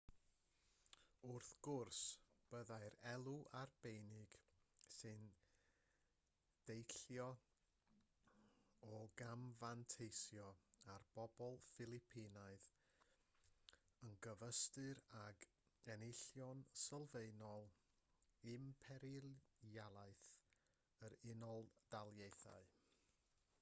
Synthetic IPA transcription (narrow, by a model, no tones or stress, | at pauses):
ʊrθɡ̥ʊrsb̥əðajɾɛlˠuʔarb̥ejnɪɡ̥sɨn | d̥ejɬjɔ | ɔɡamvantʰejsjɔarb̥ɔbɔlˠfɪlˠɪpʰinaɨθ | ənɡəvəstɨɾaɡ | ɛnɪɬjɔnsəlˠveɨnɔlˠ | ɪmpʰɛɾɪljalˠaɨθ | əɾɪnɔlˠd̥alˠjejθa̰ɨ